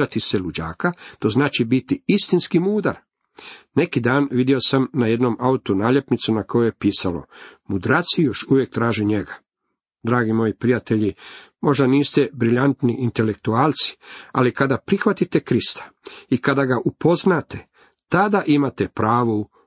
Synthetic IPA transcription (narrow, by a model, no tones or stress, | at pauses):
at̪iselud͡ʑa̰ːkat̪o̞znaːt͡ʃibit̪iist̪inskimuːd̪aɾ | ne̞kid̪aːnʋid̪jio̞samnaje̞d̪nomʔaut̪unaːʎe̞pnit̪sunako̞juje̞piːsalo̞̰mud̪ɾat̪sijo̞ʃuʋjek̚t̪ɾaːʒiɲeɡa | d̪ɾaːɡimo̞jipɾijat̪e̞ʎimo̞ʒd̪aniːst̪e̞bɾiʎant̪niʔint̪e̞lek̚t̪uaːlt̪si̥a̰likad̪apɾixʋat̪it̪e̞kɾist̪ḁikad̪aɡaʔupo̞znaːt̪e | t̪ad̪aʔimat̪epɾaːʋo